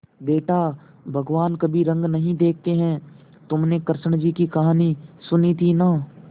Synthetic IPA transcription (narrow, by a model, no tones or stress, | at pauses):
beːʈa | bʱɐɡʋaːnkɐbʱiɾɐ̃ŋɡnɐɦĩd̪eːk̚ʰt̪eɦɛ̃ | t̪ʊmnekəɾʃəɽ̃d͡ʒiːkikɐɦaːnisʊnit̪ʰinaː